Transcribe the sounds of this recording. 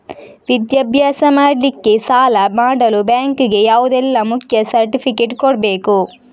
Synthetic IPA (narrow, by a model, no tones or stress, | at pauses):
ʋid̪jɐbʱjaːsɐmaːɖlːikːesaːlɐmaːɽɐlubjaːŋkuɡe̞jaːʋud̪ɛlːɐmukʰjɐsɐɾʈipʰikeʈkoɽbeːku